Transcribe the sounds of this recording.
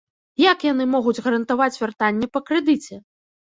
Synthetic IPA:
jakjan̪ɨmɔɣud͡zʲɣɐɾɐnt̪avat͡sʲvʲart̪anʲːɛpɐkɾɛd̪ɨt͡sʲɛ

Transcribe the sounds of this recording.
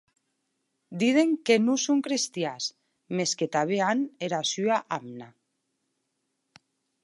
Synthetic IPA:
d̪iðeŋkenusuŋkɾest̪jas | mesket̪aβ̞eaneɾasyaʔamna

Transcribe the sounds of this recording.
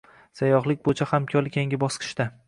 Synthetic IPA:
sajɒχlˠɪk̚ʲbojt͡ʃʰahamkʲʰɒɾɪkʲʰeŋʲɪbɒsqʰɨ̥ʃt̪a

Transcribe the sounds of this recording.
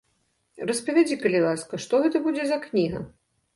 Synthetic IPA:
rɐspɐvʲad͡zʲikɐlʲilˠaskɐʂt̪ɔɣɛt̪ɐbud͡zʲɛzɐknʲiɣɐ̰

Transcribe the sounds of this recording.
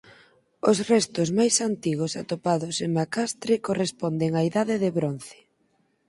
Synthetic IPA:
osrɛst̪ʊzmajsant̪iɣ̞osat̪opaðʊseŋmakast̪ɾɪkorespɔnd̪eŋaiðaðɪðɪβɾon̟θɪ̥

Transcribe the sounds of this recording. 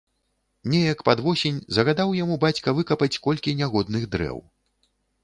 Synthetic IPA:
nʲɛjɐkpad̪vɔsʲenʲzɐɣad̪awjamubat͡sʲkɐvɨkɐpɐt͡sʲkɔlʲkʲinʲaɣɔd̪nɨɣd̪ɾɛ̰w

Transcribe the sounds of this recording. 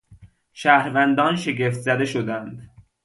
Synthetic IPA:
ʃæːhɾvænd̪ɒːnʃe̞ɡe̞ft̪zæd̪e̞ʃod̪ænd̪

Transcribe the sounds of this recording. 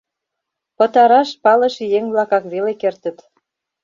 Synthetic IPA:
pɤ̆t̪ɑɾɑʃpɑlɤʃjeŋβlɑkɑkβelekert̪ə̆t̪

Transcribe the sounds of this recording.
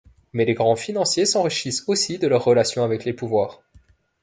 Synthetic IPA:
mɛleɡʁɑ̃finɑ̃sjesɑ̃ʁiʃisosid̪əlœʁːəlasjɔ̃avɛklepuvwaːʁ

